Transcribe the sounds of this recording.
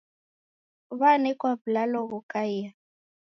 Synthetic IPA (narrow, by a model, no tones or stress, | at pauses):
βanɛkwaβlalɔɣɔkʼaija